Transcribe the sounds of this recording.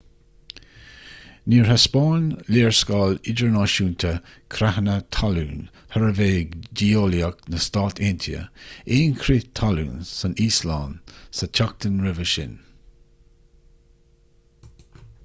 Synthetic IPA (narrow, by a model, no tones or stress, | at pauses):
niːɹɦaspɑːnleːɹskɑːlɪd͡ʒəɹnɑːʃuːnt̪ʰəkʰɾahənət̪ʰaluːn | həɹəveːɡdiːoːliəknəst̪ɑːt̪ʰent̪ʰiə̰eːnkʰɾit̪ʰalṵːnsəniːslaːnsətʰak̚t̪ənɹɪvəʃɪ̰n